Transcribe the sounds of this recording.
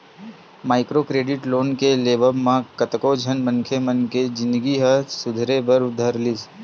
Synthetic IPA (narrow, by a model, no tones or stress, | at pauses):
maːɪkɾokɾeːɖɪʈloːnkeleːʋəbmãkət̪kod͡ʒʱənmə̃ŋkʰemənked͡ʒɪ̃nd̪əɡiɦəsʊd̪ʱɾebəɾʊd̪ʱəɾlis